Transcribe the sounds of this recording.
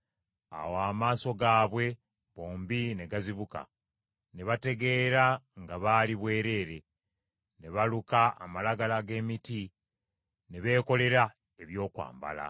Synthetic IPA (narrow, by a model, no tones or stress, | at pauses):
a̰waːmaːso̞ɡaːβwe̞ | βo̞ːmbine̞ɡaziβuka̰ | ne̞βate̞ɡe̞ɾaŋɡaβaːliβwe̞ːɾe̞ːɾe̞ | ne̞βaluka̰ːmalaɡalaɡe̞ːmiti | ne̞βe̞ːko̞le̞ɾa | e̞βjo̞ːkwa̰ːmba̰la̰